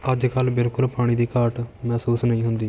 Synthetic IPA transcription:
əd͡ʒkəlbɪlkʊlpaːɽ̃ĩːd̪iːkaːɾʈmɛːsuːsnəĩːɦʊnd̪iː

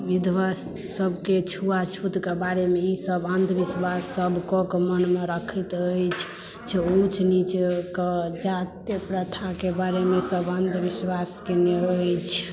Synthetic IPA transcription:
bid̪wasː | əbʱket͡ʃʰuat͡ʃʰut̪kebaɾemeisəbənd̪ʱʰbiswasəbʱkokmənmeɾəkʰət̪əjt͡ʃʰ | t͡ʃʰɛut͡ʃʰnit͡ʃekɔd͡ʒat̪jəpɾət̪ʰakebaɾemesəbənd̪ʱʋiswaskeneəjt͡ʃʰ

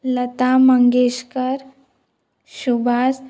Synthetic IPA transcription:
lət̪aməŋɡeːʃkəɾ | ʃubʱaːs

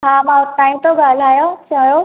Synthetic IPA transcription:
ɦãmaʈ̪aːimt̪oɡʱaːlaːjot͡ɕajo

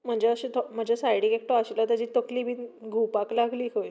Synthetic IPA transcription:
m̤əɳd͡ʑeəɕit̪ʰɔm̤əd͡ʑesajɽikek̚ʈoaɕlat̪əd͡ʑiːt̪əkliːbʱiːnɡʱupaklaɡliːkoj

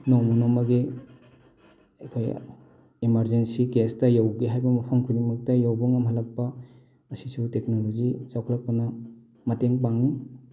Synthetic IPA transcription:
nɔwmɐnɔmɐɡi | ɐkʰoj | imɐɾzensikestɐjawɡiɦajbɐmɐpʰɐmkʰunimɐk̚tɐjawbɔŋɐmɦɐlɐk̚pɐ | ɐsisuteknolozizawkʰlɐk̚pɐnɐ | mɐteŋp̬aŋi

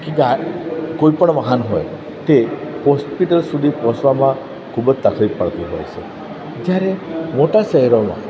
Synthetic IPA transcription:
kiakojpəɽ̃ʋaɦanɦɔj | t̪ehɔspiʈəlsud̪ʱipɔsʋamã | kʰubəd͡ʒt̪akʰɾippaɭt̪iɦɔ̰jt͡ʃʰḛ | d͡ʒjaɾemoʈasɛɦɛɾɔmã̰

